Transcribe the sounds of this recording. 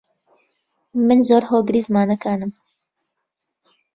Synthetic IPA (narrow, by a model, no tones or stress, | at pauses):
mɨnzoːɾɦoːɡɨɾiːzɨmaːnɐkaːnɨm